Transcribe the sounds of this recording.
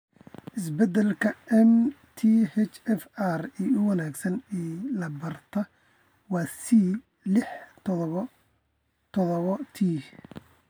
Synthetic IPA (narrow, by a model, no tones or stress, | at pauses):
ʔɪsbɛd̪ɛlkʰɐɛm | t̪ʰihɛt͡ʃɛfariːʊwɑnaːɡsɐnɛːlɐbɐrt̪ʰɐ | wɑːsi | lɪħ | t̪ʰɔðɔβɔt̪ʰiː